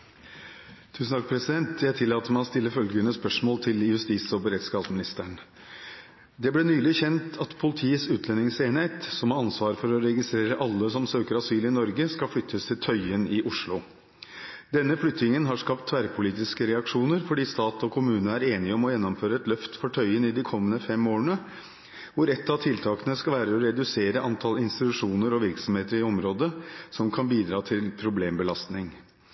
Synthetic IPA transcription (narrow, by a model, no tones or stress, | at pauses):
t̪ʰʉːsn̩t̪ʰɑk̚pʰɾɛsɪd̪ɛnt̪ʰjæɪt̪ʰɪlːɑːt̪əmɛɔst̪ɪlːəfœlɡənəspœʂmoːlt̪ʰɪljʉst̪iːsɔbəɾɛːt̪skɑːpsmɪnɪst̪əɳ | d̪ɛblɛːnyːlɪçɛnt̪ʰɑt̪pʰʊlɪt̪ʰiːəsʉːt̪ʰlɛnɪŋseːneːt̪sɔmhɑɾɑnsʋɑːɾfɔɾɔɾɛɡɪst̪ɾeːɾəʔɑlːəsɔmsøːkəɾɑsyːlɪnɔɾɡəskɑflʏt̪ʰːəst̪ʰɪlt̪ʰœʏənɪʔʊʂlʊ | d̪̥ɛnːəflʏt̪ːnɪŋənɦɑʂkɑpt̪ʰːʋæɾpʰʊliːt̪ɪskəɾɛɑkʂuːnəɾfɔɖiːst̪ɑːt̪ɔkʰʊmʉːnən̩æɾeːnɪɔmɔjɛnːɔmføːɾəɛt̪lœft̪fɔʈʰœʏənɪd̪ɪkʰɔmːənəfɛmoːɳə | ʋʊɾɛt̪ːɑt̪ʰɪlt̪ʰɑːkənəskɑlʋæːɾəɔɾɛd̪ʉseːɾəʔɑnt̪ʰɑlɪnst̪ɪt̪ʉʂuːnəɾɔʋɪɾksɔmheːt̪əɾɪɔmɾoːd̪əsɔmkʰɑnbiːd̪ɾɑːt̪ʰɪlpʰɾʊbleːmbəlɑst̪nɪŋ